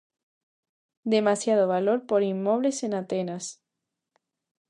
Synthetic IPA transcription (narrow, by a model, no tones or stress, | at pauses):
d̪e̞masjað̞oβalo̞ɾpo̞ɾinːo̞βlesenat̪enas